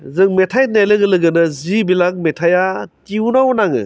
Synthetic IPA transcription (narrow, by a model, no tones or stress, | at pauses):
zɯŋmetʰaj̚nelɯɡɯlɯɡɯnɯzibilak̚metʰajatiunawnaŋɯ̰